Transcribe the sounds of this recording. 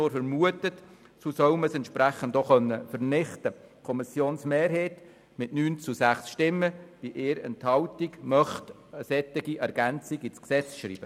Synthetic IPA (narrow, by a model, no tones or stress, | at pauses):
oːɾfəɾmuətət | susœwməsɛntʃpɾæχəndɔχœnːəfəɾnɪχtəkʰɔmɪsjoːnsmeːrɦeːt | mɪtnyːnt͡susæχsʃtɪmːəb̥iʔeːɾɛ̰nthɑʊtiɡmœχt | əsɛt̪ːɪɡiʔɛɾɡænt͡siɡit͡sksɛt͡sʃrḭːb̥ə